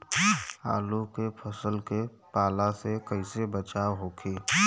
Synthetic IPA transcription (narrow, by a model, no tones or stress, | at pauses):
a̰ːlukepʰəsəlke | paːlasekəɪsebət͡ʃaːwɦokʰeː